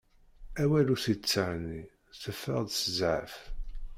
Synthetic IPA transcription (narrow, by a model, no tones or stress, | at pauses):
æwæluθit͡sːəʕni | θəfːə̰ʁðsəzʕə̰f